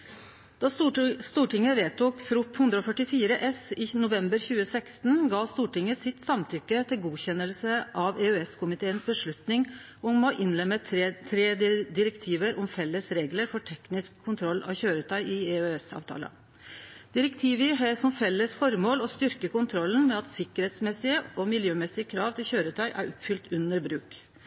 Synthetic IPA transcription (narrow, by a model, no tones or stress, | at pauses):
d̪̥ɑst̪uːʈɪŋːəʋeːt̪uːkfɾʊpːhʉnd̪ɾəɔfœʈɪfiːɾəʔɛsɪnʊʋɛmbəɾçʉːəsɛkst̪nɡɑːst̪uːʈɪŋːəsɪt̪sɑmt̪ʰʏkːət̪ʰɪlɡuːçɛnːəlsəʔɑʋeʉɛskʰʊmɪt̪ʰeːənsbəʂɭʉt̪nɪŋ | ɔmoːʔɪnlɛmət̪ʰɾeːd̪ɪɾɛkt̪ʰiːʋəɾʔʊmfɛlːəsɾeːɡləɾfɔʈʰɛknɪskʰːʊnt̪ʰɾɔlːɑ̰ʋçøːɾət̪ʰɑʏɪeœɛsɑ̰ːʋt̪ʰɑ̰ːlə̰ | d̪̥ɪɾɛkt̪ʰiːʋɪɦəsɔmfɛlːəsfɔɾmoːlɔst̪ʏɾkəkʊnt̪ʰɾɔlːnmɛɑt̪sɪkəɾheːt̪smɛsːɪəɔmɪljøːmɛsɪəkʰɾɑːʋt̪ʰɪlçøːɾət̪ʰɑɪʔæ̰ɾʔɔpfʏlt̪ʉnːəɾbɾʉːk